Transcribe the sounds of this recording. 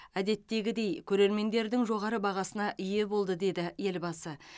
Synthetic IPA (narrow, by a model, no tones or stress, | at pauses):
æd̪e̞t̪ːe̞ɡʲɪd̪e̞jkʲʰɵɾe̞ɾme̞nd̪e̞ɾd̪ɪŋʒo̞ʁɑɾəbɑʁɑsənɑʔʏje̞bo̞lˠd̪əd̪e̞d̪ɪje̞lbɑsə